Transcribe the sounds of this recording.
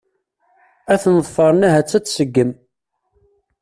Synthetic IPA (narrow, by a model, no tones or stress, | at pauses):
æθənðfˤɑɾˤnæɦæt͡sːæt͡sːsəɡːəm